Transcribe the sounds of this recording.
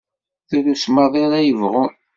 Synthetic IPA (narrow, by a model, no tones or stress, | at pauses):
θuɾusmɑðˤiɾæjəvʁʊ